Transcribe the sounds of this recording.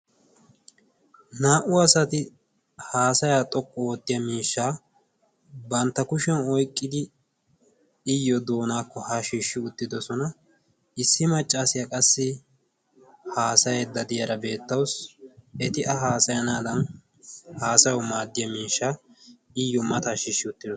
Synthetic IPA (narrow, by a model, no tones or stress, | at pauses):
naːʔʊɐsɐt̪ɪ | haːsɐjaːt̪ʼɔkʼːɔoːt̪ːɪjɐmiːʃːaː | bɐnt̪ːɐkʊʃɛnɔjkʼːɪd̪ɪ | ɪjːɔd̪o̞ːnaːkːɔhɐʃiːʃːɪʊt̪ːɪd̪ɔsɔnɐ | ɪsːɪmɐt͡ʃʼːaːsɪjɐkʼɐsːɪ | haːsɐjɛd̪ɐd̪ɪjɐɾɐbe̞ːt̪ːɐwsɛt̪ɪʔɐɦaːsɐjɐnaːd̪ɐn | haːsɐjɔmaːd̪ːɪjɐmiːʃːaː | ɪjːɔmɐt̪aːʃiːʃːɪʊt̪ːɪd̪ɔ